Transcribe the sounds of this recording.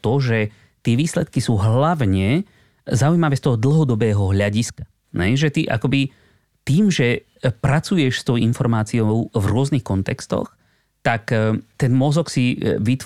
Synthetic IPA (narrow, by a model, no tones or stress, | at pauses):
t̪ɔʒɛ | t̪ɪɛʋiːslɛt̪kisuːɦlaʋɲɛ | zaujmaʋɛːst̪ɔɦɔd̪l̩ɦɔd̪ɔbɛːɦɔɦʎaɟiskḁ | ɛ̰jʒɛt̪iʔa̰kɔbi | t̪iːmʒɛ | pɾat͡sujɛʃst̪ɔʊinfɔɾmaːt͡siɔʊvɾʊɔznixkɔnt̪ɛkst̪ɔ̰x | t̪akt̪ɛnmɔzɔksiʋit̪